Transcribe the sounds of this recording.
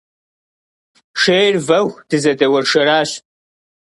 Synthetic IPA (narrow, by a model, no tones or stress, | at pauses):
ʂeːrvɐwd̥ɨzɐdɐwɐrʂɐɾaːɕ